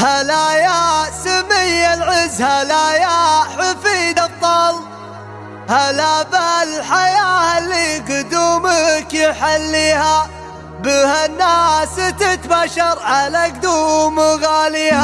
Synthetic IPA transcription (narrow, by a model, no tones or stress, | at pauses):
halajasamɪjːalʕɪzːhalajaħafiːd̪ɑt̪ˤːɑl | halaballħajaːhalːiːɡʊd̪uːmakjɪħalːiːha | bɪhanːaːsɪt̪ɪt̪baʃɑɾˤʕalak̚d̪uːmɣaːliːha